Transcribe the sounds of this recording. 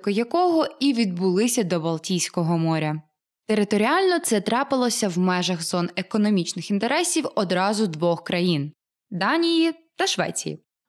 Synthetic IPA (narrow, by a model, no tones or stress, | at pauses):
kɔjɐkɔɦɔiʋʲid̪̚bʊlˠɪsʲɐd̪ɔbɐlˠtʲijsʲkɔɦɔmɔɾʲɐ | t̪eɾɪt̪ɔɾʲiɑlʲnɔt̪sɛt̪ɾɑpɪlˠɔsʲɐwmɛʒɐɣzɔnekɔnɔmʲit͡ʃnɪxint̪eɾɛsʲiwɔd̪ɾɑzʊd̪ʋɔxkɾɐjin | d̪ɑnʲijit̪ɐʃʋɛ̰t͡sʲḭjḭ